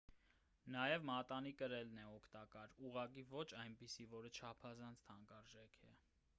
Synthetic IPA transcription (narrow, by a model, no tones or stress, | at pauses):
nɑjɛvmɑt̪ɑnikəɾɛlnɛɔkʰt̪ɑkɑɾuʁɑkivɔt͡ʃʰɑjnpisivɔɾət͡ʃʰɑpʰɑzɑnt͡sʰt̪ʰɑŋɡɑɾʒɛkʰɛ̰